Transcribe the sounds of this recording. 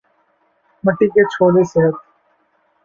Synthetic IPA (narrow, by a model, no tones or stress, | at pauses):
mɐʈːiket͡ʃʰoːleseɦət̪